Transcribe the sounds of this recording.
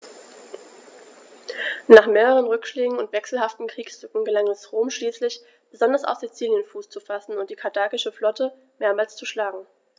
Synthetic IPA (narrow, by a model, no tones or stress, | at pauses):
naːχmeːʁəʁ̞ənʁʏkʃleːɡŋ̩ʊntv̥ɛksl̩ɦaftn̩kʁ̥iːkshʏkŋ̩ɡəlaŋɛsʁoːmʃliːslɪç | b̥əzɔndɐsa̰z̥it͡siːljənfuːst͡sufasn̩ʊnt̚d̥iːkʰaɐdʰaːkɪʃəflɔtə | meːɐmaːlst͡suʃlaːɡŋ̩